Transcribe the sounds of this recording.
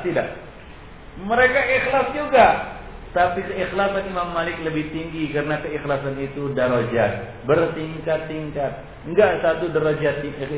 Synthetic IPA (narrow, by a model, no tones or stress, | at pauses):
t̪idaʔ | məɾekaʔixlasd͡ʒuɡat̪apikəixlasanimamːalɪkləbɪht̪iŋɡikaɾənakəixlasanit̪udaɾod͡ʒat̪̚ | bərt̪iŋkat̪ːiŋkat̪̚ | ŋɡaʔsat̪udəɾod͡ʒat̪